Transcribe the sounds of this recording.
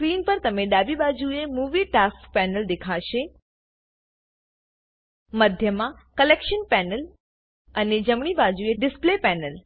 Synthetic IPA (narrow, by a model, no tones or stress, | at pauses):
skɾiːnpəɾt̪əmeɖabibad͡ʒuemuʋiʈaskpɛnəld̪ekʰaʃe | məd̪ʱjəmãkəlekʃənpɛnəl | əned͡ʒəmɳ̃ibad͡ʒueɖɪsplepɛnəl